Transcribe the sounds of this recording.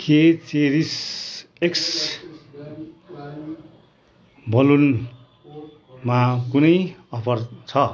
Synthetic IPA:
ket͡seɾis | eks | bʱʌlun | makunʌjʌpʰʌrt͡sʰʌ

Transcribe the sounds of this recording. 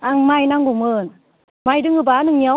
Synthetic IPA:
aŋmajnaŋɡumɯn | majdɯŋɯbanɯŋɲa

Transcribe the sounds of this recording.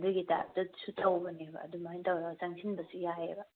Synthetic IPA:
duɡita̰dɐsutʰawbɐniɐ̰dumaajntawɾaɡsaŋsʰinbɐsujaeba

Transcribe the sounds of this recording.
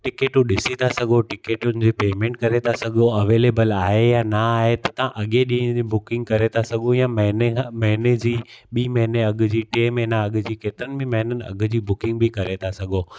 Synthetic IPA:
ʈɪkeːʈũɗɪsit̪ʰasɐɡʱoʈɪkeːʈʊnɪ̆d͡ʑiːpeːmẽːɳʈ̚kɐɾet̪ʰasɐɠʱoɐʋeːleːbəlaːɦejanɐaːɦet̪ɐt̪ɐãʔɐɠẽɗĩːɦə̃d͡ʑibʊkɪ̃ŋɡ̚kɐɾet̪ʰasɐɡʱõjaːmɐɦnemɐɦɪned͡ʑiːɓiːmɐɦɪneɐɠʊ̆d͡ʑiːʈeːmɐɦɪnaɐɠd͡ʑiːkeːt̪ɪɾənɪbẽmɐɦɪnənɪ̆ɐ̰ɡʊ̆d͡ʑiːbʊkɪ̃ŋɡbʱɪkɐɾet̪ʰasɐɡʱoː

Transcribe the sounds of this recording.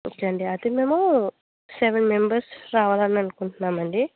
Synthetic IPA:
kɐɳɖiɐd̪emeːmo | seʋenmembɐɾsɾaːʋaːlanɐnukuɳʈunːaːmɐɳɖi

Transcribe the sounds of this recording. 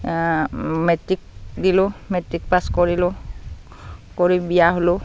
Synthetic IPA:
metɹik̚dilʊ̃metɹik̚paskoɹilʊ | koɹibijaɦolʊ

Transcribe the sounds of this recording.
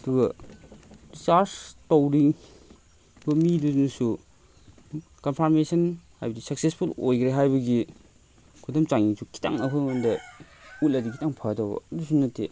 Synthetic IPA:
ɐduɡɐ | disaɾstowɾiŋ | bɐmidunsu | kɐnpʰaɾmesɐnhajbɐdisɐksespʰulojkɾeɦajbɐɡi | kʰudɐmt͡ʃaŋisʰukʰi̥ta̰ŋɐkʰɯmandɐut̚lɐdikʰitaŋpʰatawbɐ̰ɐdus̬unɐte

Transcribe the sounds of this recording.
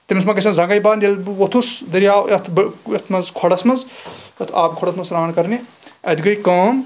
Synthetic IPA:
t̪imismaɡɐsʰʲmɐzɐŋɡɐjbaːnd̪ʲelot̪ʰusd̪ɐɾaːwɐt̪ʰbɐt̪ʰmɐzkʰoɽɐsmɐzɐt̪ʰaːbkʰoɽɐsmɐnsɾaːnkɐɾniɐd̪ɡɐjkɐːm

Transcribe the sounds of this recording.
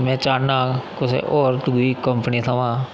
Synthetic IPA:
mɛ̃ːt͡ʃaːnːaːkʊsḛʔoːɾt̪uɡikəmpənit̪ʰaʋãː

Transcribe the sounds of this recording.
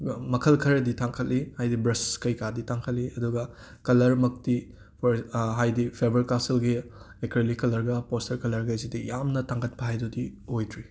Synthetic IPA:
mɐkʰɐlkʰɐɾɐditʰaŋkʰɐtlihajdibɾɐsskɐjkaditʰaŋkʰɐt̚liʔɐduɡɐ | kɐlɐɾmɐk̚ti | pʰɦajdipʰebɐɾkasilɡi | ekɾelikɐlɐɾɡɐpostɐɾkɐlɐɾɡɐzidijamnɐtaŋɡɐt̚pʰɐɦajdudihojdɾi

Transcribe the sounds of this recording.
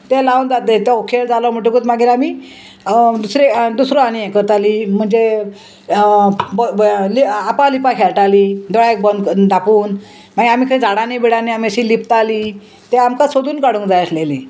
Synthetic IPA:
t̪elaund͡zat̪eokʰeld͡zalɔm̤əʈ̬ukut̪maɡiɾami | d̪usɾed̪usɾoanijɛ̃kəɾt̪alim̤əɳd͡ze | bliapãlipakʰeɭʈalid̪ɔɽaek̚bənd̪d̪ʱapuːn | maɡiamikʰə̃d͡zʱaɽanebiɽaniamiəɕilipt̪ali | t̪eamkasod̪uːnkaɽũŋkd͡zajəslelḭ̃

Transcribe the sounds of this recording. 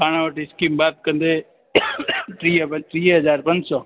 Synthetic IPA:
paːɽ̃aʋəʈiskimbaːt̪̚kə̃nd̪eː | ʈɾiːʈɾiːɦəzaːɾpə̃nd͡ʒsɔː

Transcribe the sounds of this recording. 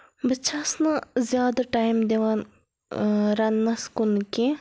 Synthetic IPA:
bɐt͡ʃʰaːsnazjaːd̪ɐʈaːjmd̪eʋan | ɾɐnːɐskʊnke

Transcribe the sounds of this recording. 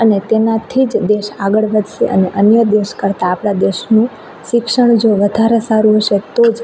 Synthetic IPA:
ənet̪enat̪ʰid͡ʒd̪eʃaɡəɭʋəd̪ʱʃḛʔə̰neʔənjəd̪eʃkəɾt̪aːpɽ̃ad̪eʃnũ | ʃɪkʃəɳd͡ʒoʋəd̪ʱaɾəsaɾũɦəʃet̪od͡ʒ

